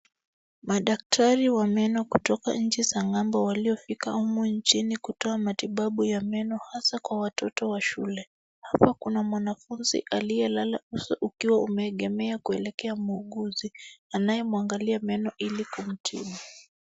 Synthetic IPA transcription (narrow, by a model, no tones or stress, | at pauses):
maɗak̚tʰaɾiwamɛnɔkutɔka̰ɲ̩t͡ʃisaŋɡambɔwaliɔfika̰umuɲt͡ʃinikutɔamatiɓaɓujamɛnɔhasakwawatɔtɔwaʃulɛ | hapakunamwanafunzḭʔalijɛlalausɔ̰ʔukiwaumɛːɠɛmɛakuɛlɛkɛamuːɠuzianajɛmuaŋɡaliamɛnɔʔilikum̩tʰḭma